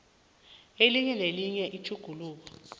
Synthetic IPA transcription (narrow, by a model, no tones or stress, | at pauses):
eliɲɛleliɲɛʔit͡ʃʰuɡ̥ʱuluːk̬ɔ